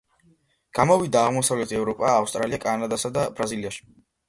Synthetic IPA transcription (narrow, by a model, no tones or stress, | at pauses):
ɡ̥amɔvid̪aːʁmɔsavlɛt̪ʰɛvɾɔpʼaːfst̪ʼɾaliakʼanad̪asad̪abɾaziliaʃi̥